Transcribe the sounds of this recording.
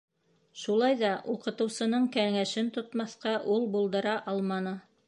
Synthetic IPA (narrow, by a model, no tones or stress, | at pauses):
ʃulˠɑjðɑʔuqɤ̆t̪ɤ̆wsɤ̆nɤɴkæŋæʃɘnt̪ŏt̪mɑθqɑʔulˠbulˠd̪ɤ̆ɾɑʔɑlˠmɑnɤ